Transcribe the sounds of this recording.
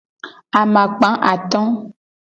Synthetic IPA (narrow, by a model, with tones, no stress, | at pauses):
a˨mã˨k͡pã˨˦ʔa˨t̪ɔ̃˦